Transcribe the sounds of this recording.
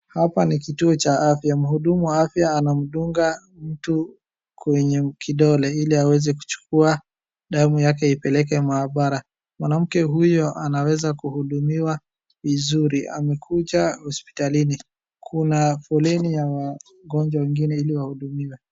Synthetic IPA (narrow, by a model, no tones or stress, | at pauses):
hapanikituɔt͡ʃaafjam̩huɗumuwaafjaːnam̩ɗuŋɡa | m̩tu | kwɛɲɛkʰiɗɔlɛiliawɛzɛku̥t͡ʃu̥kua | ɗamujakɛipɛlɛk̬ɛmaːɓaɾa | mwanam̩kɛɦujɔʔanawɛzakuhuɗumiwa | vizuɾiʔa̰mɛkʰud͡ʒahɔspi̥talini | kʰunafɔlɛnijawa | ɡɔɲd͡ʒwawɛŋɡinɛiliwahuɗumiwɛ